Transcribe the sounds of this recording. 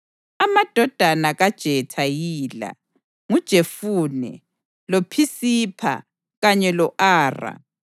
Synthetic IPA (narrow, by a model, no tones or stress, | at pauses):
amad̥ʱɔd̥ʱanaɣad̥ʒ̥ʱɛtʰajiːla̰ | ŋud̥ʒ̥ʱefuːnɛ̰ | lopʰisipʰa̰ | ɣaɲɛlɔʔaːra̰